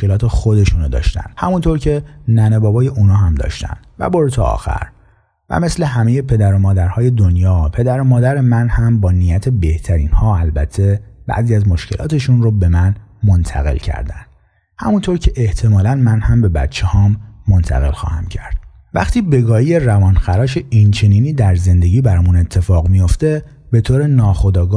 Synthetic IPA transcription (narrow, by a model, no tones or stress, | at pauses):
okelɒːt̪ʰe̞xod̪e̞ʃuːnod̪ɒ̰ːʃt̪æ̰nd̪̥hæmunt̪ʰoɾcʰe̞næne̞bɒːbɒːje̞ʔunɒːɦæmd̪ɒ̰ːʃt̪æ̰nd̪̥væ̰boɾt̪ʰɒɒ̰ːxæ̰ɾ | væ̰me̞sle̞ɦæmejepʰe̞d̪æɾo̞mɒːd̪æɾhɒːje̞d̪onjɒːpʰe̞d̪æɾomɒːd̪æɾe̞mænhæmbɒːnijæt̪ʰe̞be̞ht̪ʰæɾḭːnhɒːælbæ̰t̪ʰːe̞bæ̰ʔziːæzmoʃcʰe̞lʔɒ̰ːt̪ʰe̞ʃunrobe̞mænmo̞nt̪ʰæ̰ɣe̞̰lcʰæ̰ɾd̪æ̰nd̪̥ | hæ̰munt̪ʰo̞ɾcʰe̞ʔeht̪ʰe̞mɒːlænmænhæmbe̞bæ̰t̪t͡ʃʰːehɒːmːo̞nt̪ʰæ̰ɣe̞̰lxɒ̰ːhæmcʰæ̰ɾd̪̥ | væ̰χt̪ʰiːbe̞ɡɒːijerævɒːnxæɾɒːʃeʔint͡ʃʰe̞niːniːd̪æɾze̞nd̪e̞ɟiːbæɾɒmune̞t̪ʰːe̞fɒːɣmijo̞ft̪e̞ | be̞t̪ʰoːɾe̞nɒːxo̞d̪ɒːɡ